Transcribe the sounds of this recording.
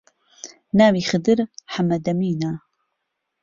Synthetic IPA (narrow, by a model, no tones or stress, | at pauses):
naːwiːxɨd̪ɨɾħamɐd̪ɐmiːna